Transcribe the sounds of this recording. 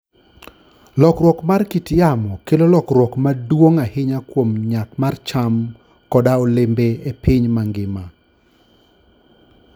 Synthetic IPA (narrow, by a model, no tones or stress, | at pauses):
lɔkɾwɔkmarkitjamɔkelolɔkɾwɔkmadwoŋahɪɲakwomɲakmart͡ʃam | kɔdaɔlɪmbeepʰɪɲmaŋɡɪma